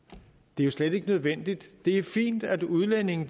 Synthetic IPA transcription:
d̥e̝æjo̝sled̥e̝ɡ̥ənøð̞ˠʋen̰d̥id̥d̥e̝æɐfḭːnd̥æd̥uð̞ˠlene̝ŋn̩d̥

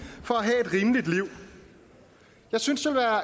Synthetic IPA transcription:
fɒ̽æɦɛ̰e̝d̥ʁiːmlid̥liʊ̰ | jɑ̈ɪsynsʋe̝lʋæːɐ

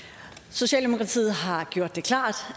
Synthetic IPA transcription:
so̝ɕɛ̰ːld̥emo̝kʰʁɑ̈t͡sʰḭːð̩ˠɦɑ̈ɡ̥jo̝ɐ̰d̥ːe̝kʰl̥ɑ̰̈ːd̥

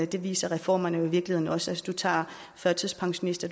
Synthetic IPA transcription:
d̥e̝ʋḭːsɐʁɛfɒ̰ːmɐnəoiʋiɐɡ̥lihe̝ðˠn̩ɒ̽səæsd̥ut͡sʰɑ̰̈ː | fɶɐt͡sʰiðˠspʰɑ̈ŋɕomnisd̥ɐ̥

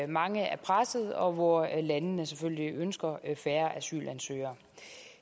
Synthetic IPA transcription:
mɑ̈ŋəæɐpʰʁasð̩ˠɒ̽ʋɒlænənəseføl̰liʔønsɡ̥ɐfæːɐʔæsy̰ːlʔænsø̰ːɐ

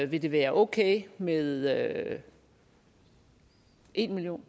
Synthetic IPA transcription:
ʋe̝d̥e̝ʋæːɐʔɔʊkʰeːmeðˠø | ʔe̝nmiljo̝̰ːn

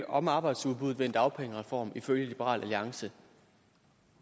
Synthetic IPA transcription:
ɒ̽mɑ̈ːb̥ɑ̈ɪd̥suðˠb̥uð̞̩ˠʋend̥ɑ̈ʊpʰeŋəʁɛfɒ̰ːmiføljəlib̥əʁɑ̰̈ːlʔæliɑ̈ŋsə

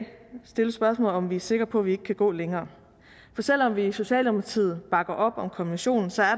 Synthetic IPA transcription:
sd̥e̝ləsb̥ɶɐsmɔ̰ːlɒ̽mʋiæɐse̝ɡ̥ɐpʰɒ̽ʋie̝ɡ̥əkʰæɡ̥ɔ̰̽ːleŋɐː | fɒ̽sel̰ɒ̽mʋiːso̝ɕɛ̰ːlɒmɐt͡sʰið̰ˠb̥ɑ̈ɡ̥ɐʔɒ̽b̥ɒ̽mkʰominɕo̝̰ːnn̩sɒ̽æɐ

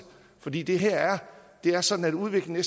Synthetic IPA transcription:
fɒ̽d̥ḭːd̥e̝ɦeɐ̰æɐd̥e̝æɐsɒ̽d̥n̩æd̥uð̞ˠʋe̝ɡ̥l̩nes

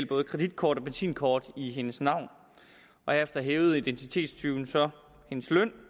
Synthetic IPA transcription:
l̰b̥ɔ̽ːðˠkʁɛd̥id̥̚kʰɒːd̥ɒ̽b̥ensḭːnkʰɒːd̥iɦe̝nəsnɑ̈ʊ̰n | ʔɒ̽efd̥ɐɦeːʊð̞̩ˠid̥ent͡sʰi̥t͡sʰe̝̰ːd̥st͡sʰyːn̩sɒ̽ | he̝nəslœn̰

